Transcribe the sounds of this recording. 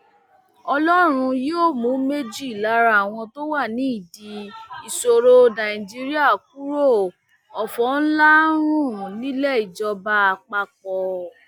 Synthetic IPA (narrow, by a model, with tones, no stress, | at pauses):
ɔ˧lɔ˦ɾ̃ũ˧joː˦˨mũ˨˦me˦d͡ʒi˦i˨la˨˦ɾa˧˦˨a˨w̃ɔ̃˧to˦wa˦˨nĩ˨˦i˦˨di˧i˨so˧ɾo˧nã˨i˨d͡ʒi˧ɾi˦a˦˨k̚u˦ɾo˦˨ | ɔ˨fɔ˨˦n̩˦la˦ɾ̃ũ˦˨nĩ˦lɛ˦˨i˨d͡ʒɔ˧ba˧a˧k͡pa˧k̚ɔ˨